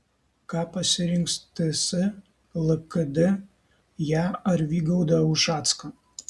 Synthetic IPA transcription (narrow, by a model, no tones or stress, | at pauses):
kɑːpɐsʲɪɾʲɪŋkst̪ɪsɨ | lˠɨkɨd̪ʲɪ | jæːɐɾʋʲiːɡɐʊd̪ɐʊʃɑːt̪skɐ